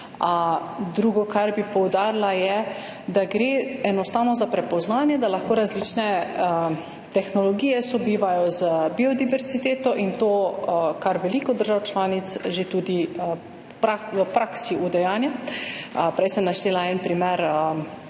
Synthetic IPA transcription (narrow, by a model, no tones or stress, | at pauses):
d̪ɾuːɡɔkaɾbipɔwd̪aːɾlajɛ | d̪aɡɾeːɛnɔst̪aːwnɔzapɾɛpɔznaːnjɛd̪alaxkoːɾazlit͡ʃnɛə | t̪ɛxnɔlɔɡiːjɛsɔbiːʋajɔzbiɔd̪iʋɛɾzit̪eːt̪ɔʔint̪oːkaɾʋɛlikɔd̪əɾʒawt͡ʃlaːnit̪sʒet̪uːd̪i | pɾaəpɾaksiʔud̪ɛjaːnja | pɾɛjsɛmnaʃt̪eːlaɛnpɾimɛɾə